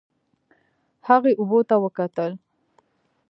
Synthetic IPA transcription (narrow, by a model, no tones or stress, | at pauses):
haɣeʔʊbot̪awəkat̪əl